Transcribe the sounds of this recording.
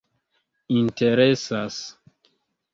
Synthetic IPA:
inteɾesas

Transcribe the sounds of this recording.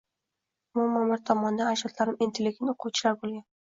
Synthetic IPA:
mʊmamaɾt̪ʰɒmɒnd̪aaʃɒt̪laɾɪmint̪ʰelʲːɪɡʲɪnoqʰowt͡ʃʰɪlaɾbolˠɡʲan

